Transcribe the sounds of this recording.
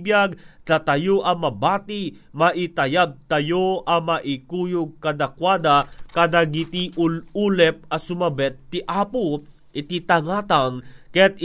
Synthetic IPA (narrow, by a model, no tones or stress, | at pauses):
bjaɡ̚t̪at̪ajoʔɐmɐbaːt̪i | maʔit̪ɐjaɡ̚t̪ajoʔɐmaʔikuːjʊɡ̚kad̪akwaːd̪akad̪aɡit̪iʔuulɛp̚ɐsʊmɐbɛt̪ːiʔaːpʊ | ʔɪt̪it̪aŋaːt̪aŋkɛt̪̚